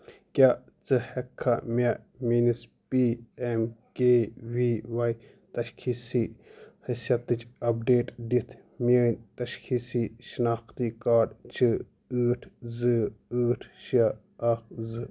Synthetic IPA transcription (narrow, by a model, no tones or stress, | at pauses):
kʲaʔ | t͡sɨhɛkʰːɐmʲɐʔ | minispiemkewiːwɐj | t̪ɐʃkʰisihɨsjɐt̪ːɨt͡ʃʰʼɐp̚ɖeːʈdit̪ʰ | mʲəːnʲt̪ɐʃkʰisiʃinaːxt̪ikaːɖt͡ʃʰɨ | ɨːʈʰzɨɨːʈʰʃiɐ | ɐkzɨ